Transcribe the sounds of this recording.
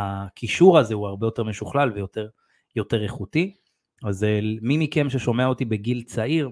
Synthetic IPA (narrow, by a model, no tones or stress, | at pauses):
akʰiʃuʁazeuaʁbe̞jo̞t̪e̞ʁme̞ʃuχlalvejo̞t̪eʁ | jo̞te̞ʁeχut̪i | azelmimikemʃeʃo̞me̞aot̪ibe̞ɡilt͡saiʁ